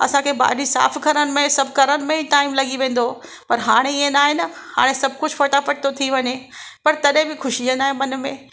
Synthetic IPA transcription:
ɐ̰sãkʰeːba̰ːɾisa̰ːfkʰɐɾəɽ̃ɪ̆mẽsɐbʱkɐɾəɽɪ̆mẽʈaːɪmlɐɡiʋẽːn̆d̪o | pɐɾɦaːɽ̃eɪẽnaːɦenɐha̰ːɽ̃esɐb̚ʱkʊd͡ʑfoʈapɐʈ̚t̪ot̪ʰiʋɐɲepɐɾt̪ɐɗɦɪ̃bɪxʊʃid͡ʑə̃naːɦẽmɐn̆mẽː

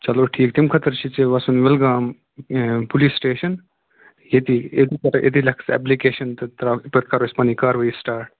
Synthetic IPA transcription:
t͡ʃɐloːʈʰiːk̚t̪imkʰɐt̪əɾt͡ʃʰit͡ʃeʋɐsunʋɪlɡaːm | pulisʈeːʃɐn | jet̪ied̪ikɐɾʔḛd̪ilɐkʰsɛ̰ːp̬likeːʃɐnt̪ɨt̪ɾaːpət̪̚kɐɾʋɐspɐnikaːɾʋɐisʈaːɾʈ̚

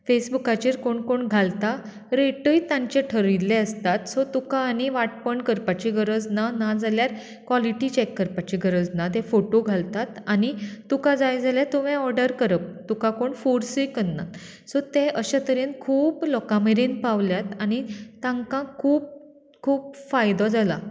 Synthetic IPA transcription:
fesbukat͡ɕiːɾkoɳkoɳɡʱalt̪a | ɾeʈəjt̪ãɲt͡ɕeʈʰəɾilːeəst̪at̪sɔt̪ukaːniʋaʈ̚pəɳkəɾpat͡ɕiɡʱəɾəd͡znanad͡zʱaljaɾ | kʋaliʈit͡ɕekːəɾpat͡ɕiɡʱəɾəd͡znat̪ẽfoʈoɡʱalt̪at̪añit̪ukad͡zajd͡zʱaljat̪uʋɛ̃ɔɾɖəɾkəɾəp̚t̪ukakoɳfuɾsikənːa̰ | sɔt̪ẽʔəɕat̪əɾenkʰuːplɔkameɾinpaʋljat̪añit̪ãŋkãkʰuːp̚ | kʰuːpfajd̪ɔd͡zala

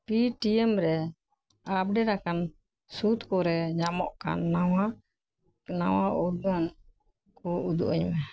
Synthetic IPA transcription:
piʈiɛmɾɛ | ab̚ɖɛɾakan | sut̪kɔɾɛɲamɔʔka̰nːawa | na̰wauɾduan | kɔud̪ṵʔaɲmɛ

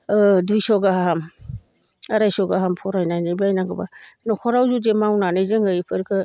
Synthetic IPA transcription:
ɯdujsɔɡaaɦam | aɾajsɔɡaɦampʰɔɾajnajnabiajnaŋɡɯba̰nɔkʰɔɾawzudemawnanɯzɯŋɡɯjpʰɯɾkʰɯ

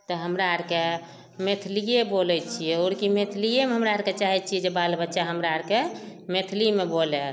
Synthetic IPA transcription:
t̪ɔɦəmɾaəɾke | met̪ʰlijebolɛt͡ʃʰijɛoɾkimet̪ʰlijemeɦəmɾaəɾket͡ʃaɦɛt͡ʃʰijɛd͡ʒebalbətːʃaɦəmɾaəɾkemet̪ʰlimebole

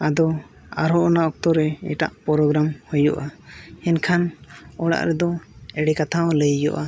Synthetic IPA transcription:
ad̪ɔ | a̰ɾɔʔɔnaʔɔk̚t̪ɔɾɛɛ̰ʈa̰ʔpɔɾɔɡɾamhujɔ̰ʔaɛnkʰanɔɽa̰ʔɾɛd̪ɔɛɽɛkat̪ʰaɔ̃ləjjɔ̰ʔa

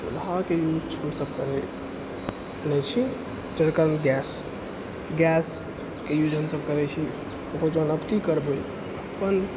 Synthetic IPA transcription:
sṵd̪ʱakejud͡ʒt͡ʃʰiɦəmsəb̚kəɾɛ | nɛt͡ʃʰi | d͡ʒəɾkəɾnɡɛs | ɡɛs | kejud͡ʒɦəmsəbkəɾɛt͡ʃʰi | okəɾd͡ʒənəpt̪ikəɾboj | əpən

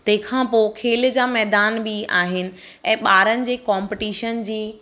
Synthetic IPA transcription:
t̪ɐ̃ɦɪ̃kʰãːpoːkʰeːld͡ʑaːmɛːd̪aːnbiaːɦɪnɪ̆ | ɛ̃ːɓaːɾənɪ̆d͡ʑeːkãːmpɪʈiːʃənd͡ʑiː

